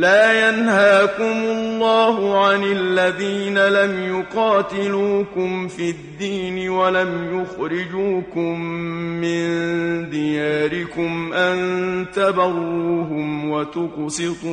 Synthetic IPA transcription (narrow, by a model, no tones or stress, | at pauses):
laːjanhaːkʊmʊlːɑːhʊʕanɪlːaðiːnalamjʊqɑːt̪ɪluːkʊmfiːd̪ːiːnɪwalamjʊxɾɪd͡ʒuːkʊmːɪnd̪ɪjaːɾɪkʊmʔant̪abɑɾˤuːɦʊmwat̪ʊqsɪt̪ˤuː